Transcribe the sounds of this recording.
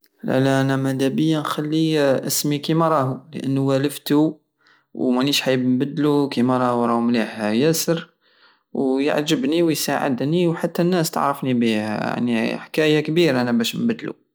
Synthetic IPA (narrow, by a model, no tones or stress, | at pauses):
læ̰læʔænæmæd̪æbəjːanxælːiʔəsmikimæɾˤɑhulə̰ʔənːuwæləft̪u | wmæniʃħajəbnbəd̪ːlukimæɾˤɑhuɾˤɑhumliħhæjæsəɾ | wjə̰ʕʒəbniwjsaʕə̰d̪niwħat̪ːænːæst̪ə̰ʕɾˤəfnibihæ̰ja̰ʕniħkæjakbiɾʔænæbæʃmbæd̪lṵ